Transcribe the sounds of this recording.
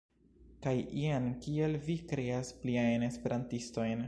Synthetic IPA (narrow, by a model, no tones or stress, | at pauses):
kajʔiankie̞lvikɾe̞aspliajne̞spe̞ɾʔantisto̞jn